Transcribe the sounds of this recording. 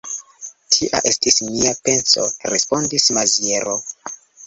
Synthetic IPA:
tʰiʔa̰ʔe̞stismiape̞nso̞̰ɾespo̞ndismazieɾo

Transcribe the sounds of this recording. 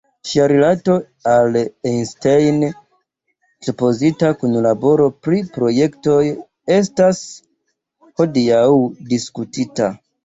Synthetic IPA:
ʃiaɾilato̞ | alenstejn | supo̞zitakunlabo̞ɾo̞pɾipɾo̞je̞kto̞j | e̞s̬tas | ho̞diawdiskutita

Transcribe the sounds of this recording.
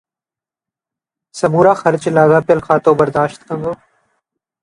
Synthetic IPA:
sɐmuːɾaːxɐɾt͡ʃlaːɡaːpɐlxaːt̪oːbɐɾd̪aːʃt̪kɐ̃nɡ̪oː

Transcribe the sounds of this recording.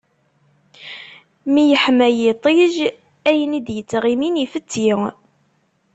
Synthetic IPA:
mijəħmæjit̪ˤiʒ | æjənid̪jət͡sːʁiminifət͡sːi

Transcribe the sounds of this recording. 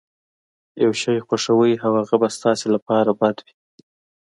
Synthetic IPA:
jawʃɑjxwaʂawəjawaɣabast̪ɑselapɑɾabad̪wi̥

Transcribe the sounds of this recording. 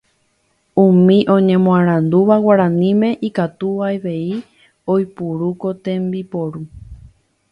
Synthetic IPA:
ũmĩʔõ̞ɲẽ̞mõãɾ̃ãnd̪uʋawaɾãnĩmẽ̞ʔikat̪uʋajʋe̞i | ojpuɾuko̞t̪e̞mbipoɾu

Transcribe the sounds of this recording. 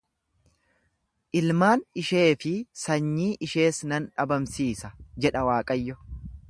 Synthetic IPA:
ʔɪlmaːnɪʃe̞ːfɪsɐɲːiːʔɪʃe̞ːsnɐnᶑɐbɐmsiːsɐd͡ʒɛᶑɐwaːkʼɐjːɔ

